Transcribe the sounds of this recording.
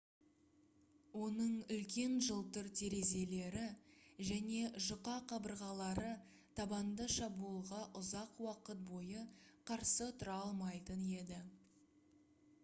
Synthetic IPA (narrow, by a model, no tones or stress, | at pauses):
wo̞nəɴʏlkʲe̞nʒəlˠt̪əɾt̪ʰe̞ɾe̞ze̞le̞ɾɪʒæne̞ʒʊqɑqʰɑbəɾʁɑlˠɑɾə | t̪ʰɑbɑnd̪əʃɑbulˠʁɑʔʊzɑqwɑqət̪̚bo̞jəqʰɑɾsət̪ʰʊɾɑlˠmɑjt̪əne̞d̪ɪ